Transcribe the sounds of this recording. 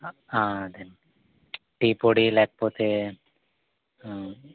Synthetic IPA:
ãd̪ɛn | ʈipoɽilɛk̚pot̪ʰe

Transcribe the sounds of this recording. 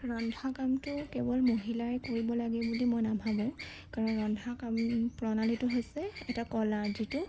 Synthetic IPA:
ɹɔndʱakamtʊkɛbɔlmoɦilaɛkoɹibɔlaɡɛbudimojnabʱabɔ̃ʊ̃ | kaɹɔnɹɔndʱakampɹɔnalitʊɦojsɛɛtakɔlazitʊ

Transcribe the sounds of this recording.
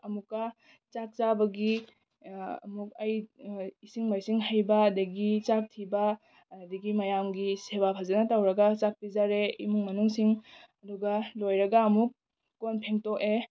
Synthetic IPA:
ɐmukːɐ | t͡ʃak̚t͡ʃabɐɡi | ɐ̰muk̚ɐjisiŋmajsiŋɦajbɐːdɐɡit͡ʃak̚tʰibɐ | diɡimɐjamɡisebapʰɐzɐnɐtawɾɐɡɐt͡ʃak̚pizaɾeimuŋmɐnuŋsiŋɐduɡɐlojɾɐɡɐːmuk̚ː | onpʰeŋtoke

